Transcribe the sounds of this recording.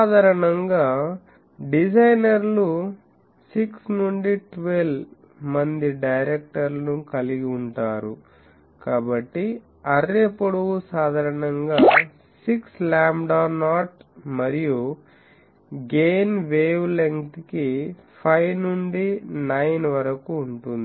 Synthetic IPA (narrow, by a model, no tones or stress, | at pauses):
d̪ʱaːɾɐɳɐŋɡaː | ɖid͡ʒɐjnɐɾlu | siksnuɳɖiʈʋel | mɐnd̪iɖɐjɾek̚ʈɐɾlɐnukɐliɡiuɳʈaːɾu | kaːbɐʈːi | ɐɾepːuɽuusaːd̪ʱaːɾɐnɐŋɡaː | sikslaːmɖaːnaːʈmɐɾiju | ɡeːnʋeːʋleŋt̪kipʰɐjnuɳɖinɐjnʋɐɾɐkuːɳʈund̪i